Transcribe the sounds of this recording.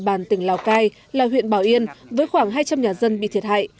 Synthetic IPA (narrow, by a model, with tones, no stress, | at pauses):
ɓaː˧˩nt̪ï˧˩ŋ̟laː˨˩wkaː˧j | laː˨˩wḭ˧˨ənɓaː˨˩wʔi˧ənvəː˨˦jxwaː˧˩ŋɦaː˧jt͡ɕa˧mɲaː˨˩zə˧nɓḭ˧˨t̪ʰi˨˩ət̚ha̰ː˧˨j